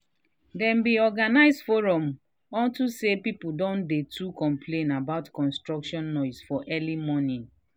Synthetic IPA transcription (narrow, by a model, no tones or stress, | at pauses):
dɛ̃mbiɔɡanaɪzdfoɹɔ̃m | ɔ̃ntusepipudɔ̃ndetʰukɔ̃mpʰlẽnabaʊtkɔ̃nstɹɔkʃɔ̃nːɔɪsfɔʔɛlimɔnĩn